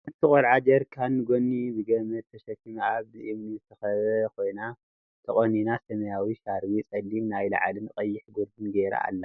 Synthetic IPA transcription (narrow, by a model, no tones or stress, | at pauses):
ɨt̪ʰɨkʼɐlʕad͡ʒɐɾkʰanːɨɡonːibɨɡɐmɐt̪ʰːɐʃɐkːimaβzɨʔimnizɨt̪ʰɐxɐβɐkʰo̞jna | t̪ʰɐχʼɐninasɐmɐjawiʃaɾwit͡sʼɐlːimnajla̰ʕalɨnkʼɐjːɪħɡoɾd̪ɨnɡeɾa̰a̰lːɐ